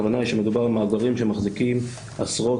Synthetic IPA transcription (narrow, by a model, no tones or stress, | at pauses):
vanaiʃemed̪ubaʁalmaːɡaʁimʃemaχzikim | asʁo̞